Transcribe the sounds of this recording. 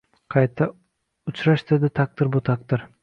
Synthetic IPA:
qʰɑjt̪ʰa | ʊt͡ʃʰɾaʃd̪ed̪ɪt̪ʰak̚t̪ɪɾbʊt̪ʰak̚t̪ɪɾ

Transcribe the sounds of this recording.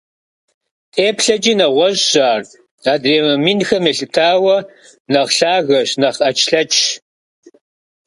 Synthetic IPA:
tʼeːpʰɬɐd͡ʒʼiːnɐʁʷɔʑɕaːr | daːdreːmɐminxɐmeːɬɨtʰaːwɐ | nɐʁɬaːɣɐɕnɐχɐt͡ʃʰɬɐt͡ʃʰʼ

